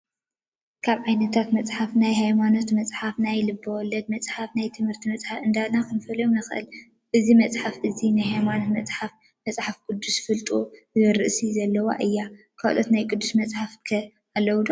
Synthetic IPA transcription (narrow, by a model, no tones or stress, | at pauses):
kʰaβʕajnɐt̪ʰat̪mɐt͡sʼħafnajɦajmano̞t̪mɐt͡sʼħafnajlɨbːɐwɔlːɐd̪̚mɐt͡sʼħafnajt̪ʰɨmhɨɾt̪ʰimɐt͡sʼħafɨnd̪anakʰɨnɨfɐlɐjomnɐxʔɨ̰l | ʔɨzimɐt͡sʼħafʔɨzinajhajmano̞t̪mɐt͡sʼħaf | mɐt͡sʼħafɡʼud̪ːusfɨlt̪ʼu | zɨɾɨʔsizɐlːɐwa̰ʔɨjːa | kʰa̰ʔlʔot̪najkʼɨd̪ːusmɐt͡sʼħafkʰɐ | alːɐwd̪u